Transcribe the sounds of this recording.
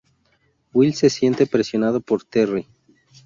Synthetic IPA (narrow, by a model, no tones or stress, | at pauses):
wilse̞sje̞nt̪epɾesjo̞nað̞opo̞ɾt̪eri